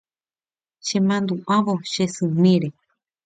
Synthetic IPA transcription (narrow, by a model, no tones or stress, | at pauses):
ʃẽmãnd̪uʔaʋoʃesɨmẽɾe